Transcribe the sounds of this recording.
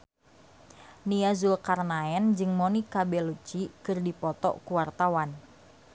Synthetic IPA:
niazulkarnaɛnd͡ʒɨŋmonikabɛlut͡ʃikɨrdipɔt̪ɔ̰ʔkuwart̪awan

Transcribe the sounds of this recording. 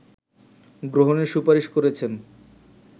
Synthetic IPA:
ɡɾoɦoneɾʃupaɾiʃkoɾet͡ɕʰen

